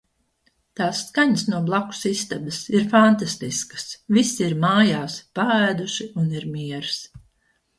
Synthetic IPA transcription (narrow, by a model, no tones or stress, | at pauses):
t̪aːsːkaɲsnuɔblˠaku̥sist̪abɐsiɾfant̪ast̪iskə̥svisiiɾmaːjaːspaæːd̪uʃiuniɾmiɛɾs